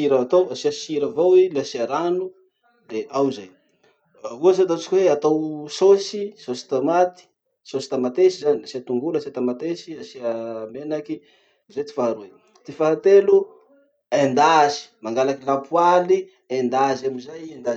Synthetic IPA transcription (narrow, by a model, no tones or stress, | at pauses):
iɾaat̪owasiaʃiɾavowilasiaɾanu | d̪eʔawzaj | uazat̪at͡ʃi̥kʲweat̪awsosisosi̥t̪amat̪i̥ | sosi̥t̪amat̪esizaniasiat̪uŋɡulasiat̪amat̪esiasiamenaki | zajt̪i̥faɾue | t̪ifaɦat̪elu | end̪azi̥maŋɡalakilampuali | end̪azamizajend̪a